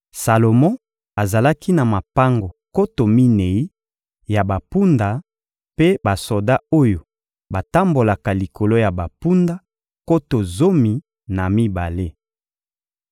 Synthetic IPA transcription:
sa˨lo˨mɔ̃˦ | a˨za˨la˦ki˦na˨ma˨pa˦ŋɡo˨ko˦to˨mi˦ne˨i˦ | ja˨ba˨pu˦nda˨ | pe˦ba˨so˨da˦o˦jo˨ | ba˨ta˦mbo˨la˨ka˨li˨ko˨lo˦ja˨ba˨pu˦nda˦ | ko˦to˨zo˦mi˨ | na˨mi˦ba˨le˦

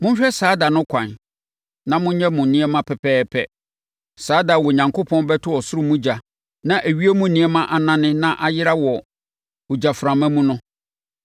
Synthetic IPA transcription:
mʊ̃˦ɕᶣɛ˦saː˨˦da˨nʊ̃˦kʰʷã̰˨n | nã˦mʊ̃˦ɲɛ̃˦mʊ̃˨nĩ˦ɛ˦mã˦pʰɛ˨pʰɛː˦pʰɛ̰˦ | saː˨˦da˨wɔ˨ɲã˨ŋkʰo˦pʰɔ̃˦nbɛ˦tʰʊ˦wɔ˨sʊ˦ɾʊ˦mũ˦d͡ʑa˨ | nã˦˨ʔæ˨ɥi˦e˦mũ˦˨nĩ˦ɛ˦mã˦ʔa˨nã˦nɪ̃˦nã˦ʔa˨jɪ˦ɾa˦wɔ˨ | ʊ˨d͡ʑa˨fɾã˨mã˦mũ˦nʊ̃˦

